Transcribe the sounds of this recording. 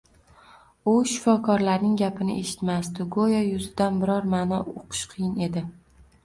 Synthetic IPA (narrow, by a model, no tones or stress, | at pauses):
ʊʃɪ̥fɒkʰɒɾlaɾnɪŋɡʲapʰɪnɪ̰ʔe̞̰ʃɪ̥t̪masd̪ʊɡojajʊzɪd̪anbɪɾɒɾmaːnɒoqʰʊ̥ʃqʰɨjɪne̞d̪ɪ